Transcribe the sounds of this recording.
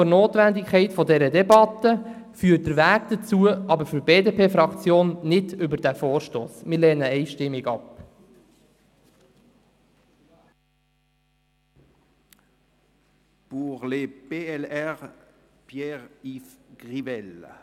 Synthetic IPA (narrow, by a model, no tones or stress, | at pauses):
noːt̪ʋændɪkʰɛɪtfɔdɛɾədɛbɑt̪əfyːt̚d̥əɾʋæːɡd̥̪ət͡suəʔɑbəɾfʏɾb̥eːdepʰeːfɾɑkt͡sjoːnnɪdʏbəɾd̥æfoːɾʃtoːsmɪɾlɛːnəɛɪʃtɪmːiɡɑp | b̥uʁleb̥eɛlɛʁ | pʰjɛʁifɡ̥ʁivɛl